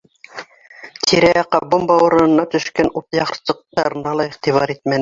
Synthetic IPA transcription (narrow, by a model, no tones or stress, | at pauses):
t̪ʰiɾæjɑqːɑbumbɑwɤ̆ɾɤ̆nɤ̆nːɑt̪ɵ̆ʃkænut̪jɑχsɤ̆q̚t̪ɑɾɤ̆nɑlˠɑiχt̪iβɑɾit̪mæn